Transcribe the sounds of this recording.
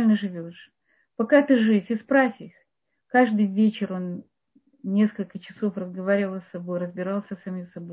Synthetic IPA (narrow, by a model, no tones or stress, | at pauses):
lʲnəʐɨvʲo̞ʂ | pɐkat̪ɨʐɨfʲɪspɾafʲɪx | kaʐd̪ɨjvʲet͡ɕɪro̞n | nʲe̞skəlʲkət͡ɕɪso̞frəzɡɐvaɾʲɪvəlˠəst̪ɐbo̞jɾəzbʲɪɾalˠsʲəsɐmʲisɐbojj